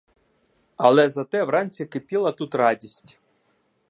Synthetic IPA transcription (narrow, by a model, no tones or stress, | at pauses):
ɐlˠɛzɐt̪ɛwɾɑnʲt͡sʲikɪpʲilˠɐt̪ut̪rɑdʲisʲtʲ